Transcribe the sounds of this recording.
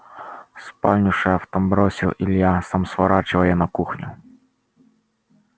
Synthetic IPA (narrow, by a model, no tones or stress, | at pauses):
spɑlʲnʲʊʂɛft̪ɐmbɾɔsʲilˠilʲjasamsʋɐɾɑt͡ʃɪʋɐjɛnɐkuxnʲʊ̰